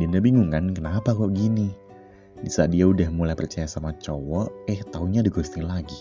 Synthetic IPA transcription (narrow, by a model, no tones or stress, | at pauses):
dindabiŋuŋankənapakɔʔɡini | bisaʔdiaudahmulajpərt͡ʃajasamat͡ʃɔwɔɛht̪auɲadiɡɔst̪ɪŋlaɡi